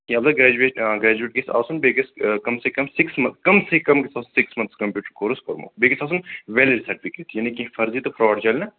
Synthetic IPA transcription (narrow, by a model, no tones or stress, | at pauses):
kĩɐbzɐɡɾɛːd͡ʒuʋeːʈɡɾɛːd͡ʒueːʈ̚ɡesa̰ːsunbeːɡɐskɐmsekɐmsɪksmɐ̃nkɐmsekɐmkisaːsunsɪksmɐnt̪skɐmpjuːʈɾkoɾuskoɾmo̰ːbeːɡisaːs̬unʋɛːliɾisɐʈipiket̪ʰjɐnikĩfɐɾziːt̪opʰɾɔːɐɖt͡ʃalnɐ